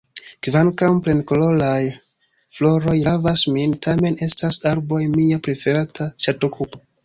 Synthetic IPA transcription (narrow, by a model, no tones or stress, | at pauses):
kvankawmpɾe̞nkolo̞laj | flo̞ɾo̞jɾavasmintʰame̞ne̞stasaɾbo̞jmiapɾe̞fe̞ɾatʰat͡ʃato̞kʰupo